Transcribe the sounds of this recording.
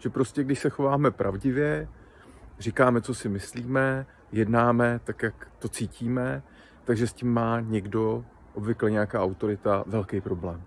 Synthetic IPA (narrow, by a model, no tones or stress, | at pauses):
ʒ̥ɛpɾo̞scɛɡdɪʃsɛxo̞vaːmɛpɾʔa̰vɟɪvjɛ | r̝ɪkaːmɛt͡so̞sɪmɪsliːmɛ | jɛdnaːmɛt̪akjakt̪o̞t͡siːciːmɛ | t̪aɡʒɛscimːaːɲɛɡdo̞ | ʔobvɪklɛɲɛakaːʔawt̪o̞ɾɪt̪avɛlkɛjpɾo̞blɛːm